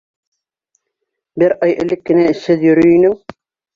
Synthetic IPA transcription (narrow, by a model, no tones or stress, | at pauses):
bɘɾʔɑjɘ̆lɘkːɘ̆næɘ̆ʃhɘðjɵ̆ɾyjnɘŋ